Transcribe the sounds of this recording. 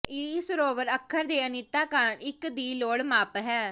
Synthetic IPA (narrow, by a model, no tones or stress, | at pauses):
iːsɾoːʋəɾəkʰːəɾd̪eːənit̪aːkəɾnɪkd̪iːloːɽmaːpɦɛː